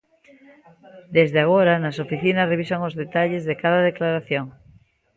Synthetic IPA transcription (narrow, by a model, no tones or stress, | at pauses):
d̪ezðeaɣ̞oɾanasofiθinasreβ̞isaŋozðet̪aʎezðekaðaðeklaɾaθjoŋ